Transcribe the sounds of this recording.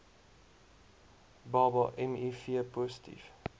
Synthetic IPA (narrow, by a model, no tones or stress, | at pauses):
bɑːbəʔɛmifiəpɔsə̥tʰḭf